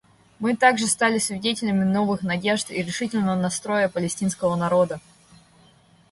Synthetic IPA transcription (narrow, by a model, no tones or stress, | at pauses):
mɨt̪aɡʐɨst̪alʲɪsvʲɪdʲetʲɪlʲəmʲɪno̞vɨxnɐdʲe̞ʐt̪iɾʲɪʂɨtʲɪlʲnəvənɐst̪ɾo̞jəpəlʲɪsʲtʲinskəvənɐɾo̞d̪ə